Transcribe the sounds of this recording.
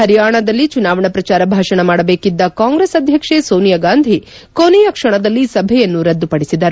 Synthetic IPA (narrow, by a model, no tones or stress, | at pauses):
ɦɐɾjaːɳɐd̪ɐlːit͡ʃunaːʋɐɳɐpɾɐt͡ʃaːɾɐbʱaːʂɐɳɐmaːɽɐbeːkid̪ːɐkaːŋɡɾeːsɐd̪ʱjɐkʂesoːnijɐɡaːnd̪ʱi | konijɐkʂɐɳɐd̪ɐlːisɐbʱɛjɐnːuɾɐd̪ːupɐɽisid̪ɐɾu